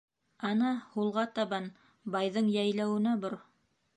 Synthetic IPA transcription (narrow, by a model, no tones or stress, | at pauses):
ɑnɑhulˠʁɑt̪ɑβɑn | bɑjðɤɴjæjlæwɘ̆næboɾ